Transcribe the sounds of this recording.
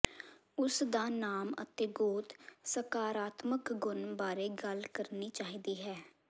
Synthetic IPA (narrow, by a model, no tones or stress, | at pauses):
ʊsd̪aːnaːmə̰t̪eːɡoːt̪səkaːɾaːt̪məkɡʊnbaːɾeːɡəlkəɾniːt͡ʃaːɦiːd̪iːɦɛː